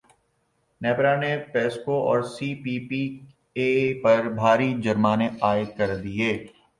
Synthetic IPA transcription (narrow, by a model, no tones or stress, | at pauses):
nɛːpɾanepɛːskoʔɔːɾsiːpiːpi | eːpɐɾbʱaːɾid͡ʒɐɾmaːneaːɪd̪̚kɐɾd̪ieː